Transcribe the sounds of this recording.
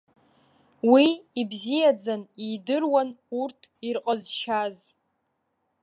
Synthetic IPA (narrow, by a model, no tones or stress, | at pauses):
wiːbzijad͡zanidɨrwanurtʰirqʼazʃaz